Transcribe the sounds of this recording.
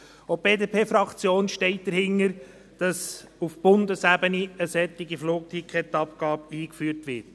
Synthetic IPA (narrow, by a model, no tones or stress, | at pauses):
ob̥eːdeːpʰeːfɾɑkt͡sjoːnʃtɛɪt̚d̥əɾhɪnəɾ | d̥ɑsufb̥ʊndəsæbəniəsɛtːɪɡifloːk̚t̪ʰikχɛt̪ɑp̚ɡ̥ɑːbiːkfyːɾtʋɪɾt